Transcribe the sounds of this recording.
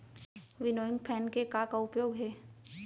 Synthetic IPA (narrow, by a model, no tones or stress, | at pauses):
ʋɪnoːɪ̃ŋɡpʰɛːnkekakaʊpjoːɡɦɛː